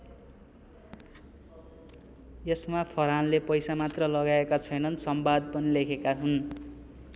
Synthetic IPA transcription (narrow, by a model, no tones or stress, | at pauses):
jesmapʰʌɾanlepʌjsamat̪rʌlʌɡaekat͡sʰʌjnʌnsʌmbad̪̚pʌnilekʰekaɦun